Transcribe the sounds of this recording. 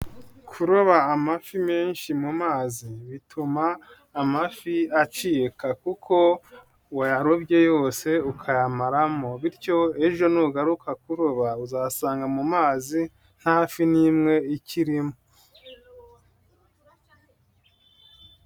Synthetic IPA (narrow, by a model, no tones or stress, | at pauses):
kʰuɾoβaːmafime̞ːnʃimumaːziβitʰumaː | mafiat͡ʃiːkakukʰo̞ | wajaɾobɟe̞jo̞ːse̞ukʰajamaɾamo̞βiɾco̞e̞ʒo̞nuɡaɾukʰakuɾoβauzasaːŋɡamumaːzi | n̥haːfinimŋe̞iciɾimo